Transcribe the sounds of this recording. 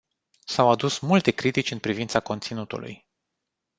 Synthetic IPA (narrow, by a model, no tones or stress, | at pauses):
sawad̪usmult̪e̞kɾit̪it͡ʃʲɨnpɾivint̪sako̞nt̪sinut̪ṵlṵj